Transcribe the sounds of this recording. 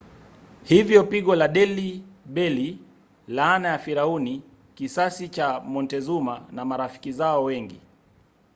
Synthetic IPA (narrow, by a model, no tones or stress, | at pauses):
hivjɔpiɠɔlaɗɛliɓɛli | laːnajafiɾauni | kisasit͡ʃamɔntɛzumanamaɾafi̥kizaɔwɛŋɡi